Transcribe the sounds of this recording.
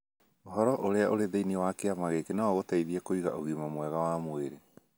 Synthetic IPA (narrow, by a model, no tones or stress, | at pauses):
oɦɔɾɔʔoɾeaʔoɾeðeiniwakeamaɣekenaɔɣotaiðiɛkoiɣa̰ʔoɣimamwɛɣawamweɾe